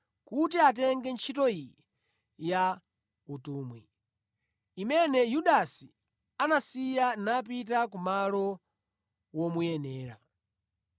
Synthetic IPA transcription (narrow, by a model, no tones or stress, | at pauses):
kutiat̬ɛŋɡɛnt͡ʃʰitɔi | ja | utuːmwi | imɛnɛjuɗasi | anasijanap̬it̬akumalɔ | wɔmujɛnɛːɾa̰